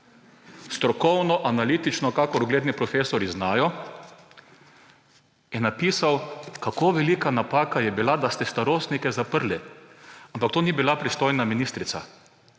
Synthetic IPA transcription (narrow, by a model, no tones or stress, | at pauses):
st̪ɾɔkɔwnɔʔanaliːt̪it͡ʃnɔkakɔɾʊɡleːd̪nipɾɔfeːsɔɾiznaːjɔ | ɛnːapiːsawkakoːʋɛliːkanapaːkajɛbilad̪ast̪ɛst̪aɾoːst̪nikɛzapəɾli | ampakt̪oːnibilapɾist̪oːjnaminiːst̪ɾit̪sa̰